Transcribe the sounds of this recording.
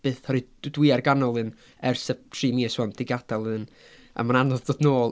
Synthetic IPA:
b̥eːθhɔɾɨdwɪarɡanɔlˠɨn | ɛrsətʰriːmiəswɔnd̥ɪɡad̥alˠɨn | a̰mananɔðd̥oːdnoːlˠ

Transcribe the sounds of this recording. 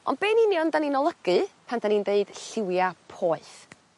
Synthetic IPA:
ʔɔ̰nd̚b̥eːniniɔndaninɔlˠəɡ̥ɨpʰand̥anindeɨd̥ɬɪwjapʰoːɨθ

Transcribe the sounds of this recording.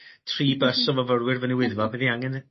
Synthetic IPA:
tʰriːbəsɔvəvərwɪrvəniwɪðvɔbiðiaŋɛn

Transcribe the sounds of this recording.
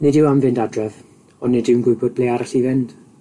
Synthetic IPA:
nɪdɪwamvɪndadrɛð | ɔnɪdɪwnɡʊɨbɔd̚b̥lejaɾaɬivɪnd̥

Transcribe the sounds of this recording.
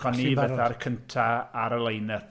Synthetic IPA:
ɔnnivɛdarkʰəntʰaaɾəlˠejnəθ

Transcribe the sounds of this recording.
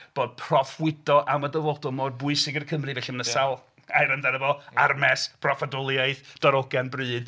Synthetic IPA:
b̥oːd̥̚pʰrɔfwɪdɔʔamadəvɔdʊlˠmod̚bʊɨsɪɡɪrkʰəmrɨvɛɬimənəsalˠ | ajɾəndaɾəvɔarmɛspʰrɔfadʊlˠjajðd̥ɔɾɔɡanbrɨːd̥

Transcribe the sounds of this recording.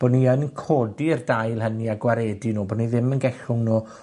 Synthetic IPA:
b̥oːdniənkʰoːdirdajlˠɦəniaɡwaɾeːdinuːboːniðɪmənɡɛɬʊŋnu

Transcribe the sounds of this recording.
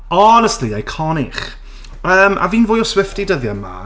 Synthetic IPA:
ɔnɛstliajkʰɔniχ | əːmʔa̰viːnvʊːjɔswɪftidəðjama̰

